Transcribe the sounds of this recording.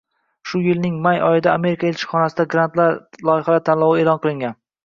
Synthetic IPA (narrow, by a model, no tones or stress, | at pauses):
ʃʊjɪlnɪŋmajɒjɪd̪aːme̞ɾɪkʰaelʲt͡ʃʰɪ̥χɒnasɪd̪aɡɾant̪laɾlˠɒjɪχalat̪ʰanlˠɒwɪeːlɒnqɨlˠɪŋɡʲan